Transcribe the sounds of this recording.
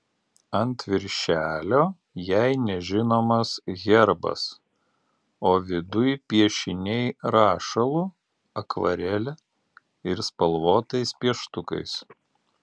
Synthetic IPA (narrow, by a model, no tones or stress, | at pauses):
ɐnt̪ʲʋʲɪɾʲʃʲæːlʲoː | jæɪnʲɛʒʲɪnoːmɐsɣʲɛɾbɐ̰s | oːʋʲɪd̪ʊjpʲiɛʃʲɪnʲɛɪɾɑːʃɐlˠu | ɐkʋɐ̰ɾʲɛlʲɛ | ɪɾspɐlˠʋoːt̪ɐɪspʲiɛʃt̪ʊkɐ̰ɪs